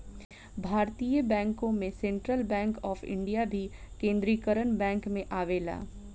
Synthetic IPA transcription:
bʱaːɾt̪iːjəbɛ̃ːŋkõmẽsẽːɳʈɾəlbɛ̃ːŋkɔːfʰɪ̰̃ɳɖijabʱikẽːnd̪ɾiːkəɾənbɛ̃ːŋkmẽʔaːʋeːla̰ː

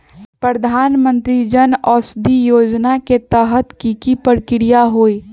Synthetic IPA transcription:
pɾəd̪ʱaːnmə̃nt̪ɾid͡ʒənɔːsd̪ijoːd͡ʒnaket̪əɦət̪kikipəɾkɪɾijaɦoːiː

